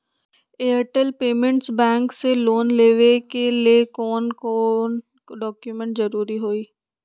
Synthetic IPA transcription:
eːəʈəlpeːmə̃ɳʈsbɛ̃ːŋkseloːnleːʋekeliekɔːnkɔːn | ɖɔːkjumɛ̃ɳʈzəɾuːɾiɦoːiː

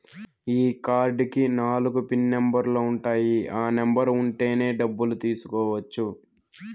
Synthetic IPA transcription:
iːkaːɾɖkinaːluɡupinːembɐɾlo̞ːuɳʈaːjiaːnembɐɾuɳʈe̞ːne̞ːɖɐbːulut̪iːsu̥kɔːʋɐt͡ʃːu

